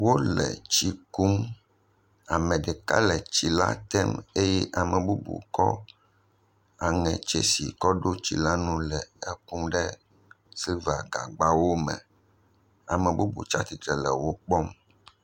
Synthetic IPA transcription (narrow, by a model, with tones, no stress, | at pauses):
wo˦lɛ̰˨t͡ʃi˦ku˦m | a˨mɛ̃˨ɖɛ˨ka̰˦lɛ˨t͡ɕi˨la̰˦t̪ɛ˦me˦jɛ˦ʔa˨mɛ̃˨bu˦bṵ˨kɔ˦ | a˨ŋɛ̃˨t͡ʃɛ̰˦sḭ˨kɔ˦ɖo˦t͡ɕi˨la˦nũ˦lɛ˨ɛ˦ku˦mɖɛ˦ | si˦va˨ɡa̰˨ɡ͡ba˦wo˦mɛ̰̃˨ | a˨mɛ̃˨bu˦bṵ˨t͡ʃa˦t̪i˨t̪ɾɛ˨lɛ˨wo˦k͡pɔ˦m